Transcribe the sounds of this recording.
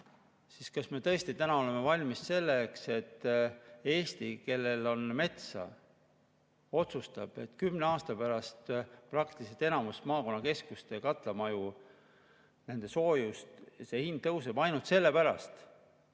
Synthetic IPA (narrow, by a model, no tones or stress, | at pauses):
siskɑsme̞t̪ɤ̞est̪it̪ænɑo̞le̞me̞vɑlʲmisse̞lːekse̞t̪ː | e̞ːst̪ike̞lːe̞lo̞nme̞t̪sɑ̰ | o̞t̪sust̪ɑb̥e̞t̪kymneɑːst̪ɑpæɾɑst̪prɑk̚t̪iliselt̪e̞nɑmust̪mɑːko̞nːɑke̞skust̪e̞kɑt̪ˑlɑmɑju | nend̪̥e̞so̞ːjust̪se̞hind̪̚t̪ːɤwsebɑjnult̪se̞lːe̞pæɾɑ̰st̪